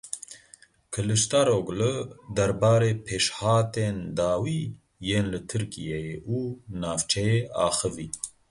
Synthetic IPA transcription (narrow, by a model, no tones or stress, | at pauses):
kʰɨlɨʃt̪aɾoːɡlɨd̪ɐɾbaːɾeːpʰeːʃhaːt̪eːnd̪aːwiː | jeːnlɨt̪ʰɨɾkijɛjeːʔuːnaːvt͡ʃʰɛjeːʔa̰ːxɨviː